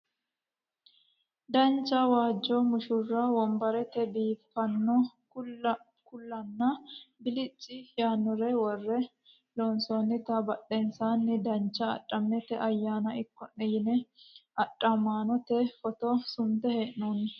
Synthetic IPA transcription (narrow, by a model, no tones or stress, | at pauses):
d̪ɐnt͡ʃːɐwaːd͡ʒːɔmʊʃʊrːɐwɔmbɐɾɛt̪ɛbiːfːɐnːɔ | kʊlːɐnːɐbɪlɪt͡ʃʼːɪjaːnːɔɾɛwɔrːɛ | loːnswɐnːɪt̪ɐbɐɗːɛnsaːnːɪd̪ɐnt͡ʃːɐ̰ːɗʼːɐmːɛt̪ɛʔɐjːaːnɐɪkːɔnːɛjɪnɛɐᶑʼːɐmaːnɔt̪ɛfɔt̪ɔsʊmt̪ɛheːʔnoːnːɪ